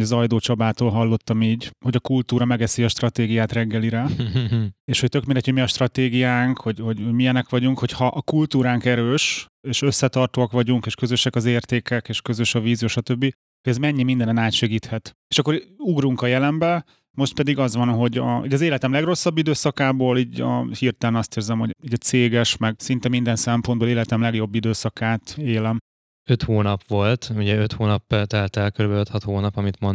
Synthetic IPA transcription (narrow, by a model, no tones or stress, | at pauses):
ɒzɒjd̪oːt͡ʃɒbaːt̪oːlɦɒlːo̞t̪ːɒmiːɟhoɟɒkult̪uːɾɒmɛɡɛsiɒʃt̪rɒt̪eːɡijaːt̪rɛɡːɛliɾɛ | eːʃho̞c̚t̪ø̞kmind̪ɛchomiɒʃt̪rɒt̪eːɡijaːŋkho̞ɟho̞ɟhoɟmijɛnɛkʋɒɟuŋkho̞chɒʔːkult̪uːɾaːŋkɛɾøːʃ | eːʃøsːɛt̪ɒrt̪oɒkʋɒɟuŋkeːʃkøzøʃɛkɒzeːrt̪eːkɛkeːʃkø̞zø̞ʃɒviːzijoːʃɒt̪øbːi | hoɟɛzmɛɲːimind̪ɛnɛnaːt̪ʃɛɡiːt̪hɛt̪eːʃɒkːoɾuɡruŋkɒjɛlɛmbɛ | mo̞ʃt̪̚pɛd̪iɡɒzʋɒnɦo̞ɟɒoɟɒzeːlɛt̪ɛmlɛɡro̞sːɒbːid̪øːsɒkaːboːliːɟɒ̰hiːrt̪ɛlɛnɒst̪eːrzɛmho̞iːɟɒt̪seːɡɛʃmɛɡsint̪ɛmind̪ɛnsɛmpo̞nboːleːlɛt̪ɛmlɛɡjo̞bːid̪øːsɒkaːt̪eːlɛm | øt̪hoːnɒpʋo̞lt̪uɟɛøt̪hoːnɒpːɛlt̪ɛlt̪ɛlkøɾybøt̪hɒt̪hoːnɒpɒmit̪mon